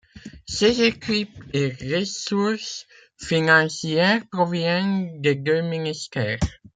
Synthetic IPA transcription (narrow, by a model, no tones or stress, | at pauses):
sezekipeʁəsuʁs | finɑ̃sjɛʁpʁɔvjɛnd̪ed̪øminist̪ɛːʁ